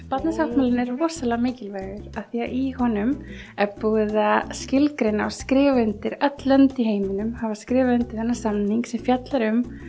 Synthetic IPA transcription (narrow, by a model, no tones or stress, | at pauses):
pat̪nasawhtmalɪnɛɾːɔːsalɛɣamɪːcɪlveːjɣʏɾ̥aðθiaʔihɔnʏm | ɛɾpuːðascɪlkɾejnaaskɾɪːvʏnt̪ɪɾœt̪lœnt̪iɦeːjmɪnʏmhavaskɾɪːvɪʏnt̪ɪɾ̥θɛnːasamniŋksɛmfjat̪laɾʏm